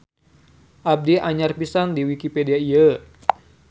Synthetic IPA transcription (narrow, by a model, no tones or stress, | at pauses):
ʔab̚diʔaɲarpisandiwikipediaiə